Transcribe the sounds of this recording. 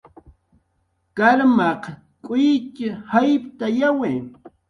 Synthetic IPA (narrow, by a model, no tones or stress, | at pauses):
kaɾmɑq | kʼʊjkɪhajpt̪ajaweː